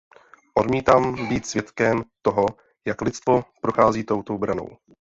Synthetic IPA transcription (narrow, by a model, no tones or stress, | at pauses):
ʔo̞dmiːt̪aːmbiːt̪svjɛt̪kɛmt̪oɦo | jaklɪtt͡st̪vo̞pɾo̞xaːziːt̪o̞wt̪obɾano̞̰w